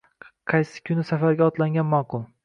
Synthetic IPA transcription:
qʰɑjsɪ̥kʲʰʊnɪsafaɾɡʲaɒt̪laŋɡʲanmɒqʊlˠ

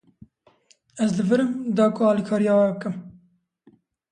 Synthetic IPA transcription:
ɛzlɨvɨɾɨmd̪ɑːkʰoɑːlikʰɑːɾijɑːwɛbɨkɨm

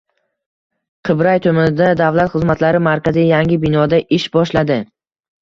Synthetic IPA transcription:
qʰɨbɾajt̪ʰomanɪd̪ad̪avlat̪χɨzmat̪laɾɪmaɾkʲazɪjjaŋɪbɪnɒd̪aʔɪʃbɒʃlad̪ɪ

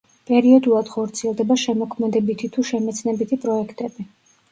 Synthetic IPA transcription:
pʼɛɾiɔd̪ulˠad̪̥χɔɾt̪sʰiɛlˠd̪ɛbaʃɛmɔkʰmɛd̪ɛbit̪ʰit̪ʰuʃɛmɛt̪sʰnɛbit̪ʰipʼɾɔɛkʰt̪ʼɛbi

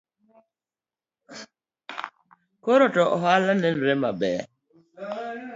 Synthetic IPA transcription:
koɾɔtɔʔɔɦalanɛnɾɛmabɛ̰

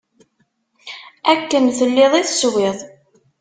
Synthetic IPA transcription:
ækːənθəlːɪðˤiθəswɪðˤ

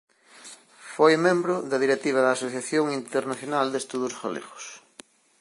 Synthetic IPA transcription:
fojmẽmbɾʊðɐðiɾet̪iβ̞ɐðɐːsoθjaθjoŋint̪eɾnaθjonald̪est̪uðʊsfa̰lḛɣʊ̥s

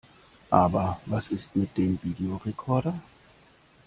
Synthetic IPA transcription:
ʔaːbɐvasɪstmɪt̚d̥eːmviːdeoʁekʰɔɐɾɐ

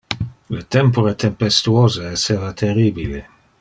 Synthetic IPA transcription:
let̪ɛmpoɾet̪empest̪uoːzeːsevat̪ʰeriːbile

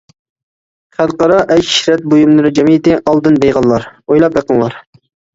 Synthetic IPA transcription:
χæd̪qɑɾɑʔɛji̥ʃɾɛt̪̚bojumlˠɨɾɨd͡ʒɛmid̪ɪʔɑlˠd̪ɨnbejʁɑlːˠɑɾojlˠɑp̚jɑqənlˠɑ̰ɾ

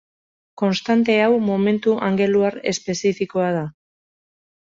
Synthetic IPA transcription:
ko̞nst̪ant̪e̞awmo̞me̞nt̪uʔaŋɡe̞luaɾe̞spe̞sifiko̞að̞a

